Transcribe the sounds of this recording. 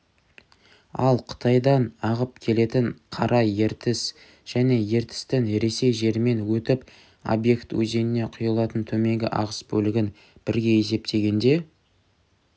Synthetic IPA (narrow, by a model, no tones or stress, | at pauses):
ɑ̰lˠqʰə̥t̪ʰɑjd̪ɑnɑʁəp̚kʲʰe̞le̞t̪ɪɴqʰɑɾʔɑje̞ɾt̪ɪs | ʒ̥æne̞je̞ɾt̪ɪ̥st̪ɪŋɾe̞se̞jʒe̞ɾme̞nwɵt̪ɪp | o̞̰bje̞kt̪wɵ̰ze̞nɪne̞qʰʊjəlˠɑt̪ənt̪ʰɵme̞ŋɡʲɪ̰ʔɑ̰ʁəsbɵlɪɡʲɪn | b̥ɪɾɡʲe̞e̞s̬e̞p̚t̪ʰe̞ɡʲe̞nd̪e̞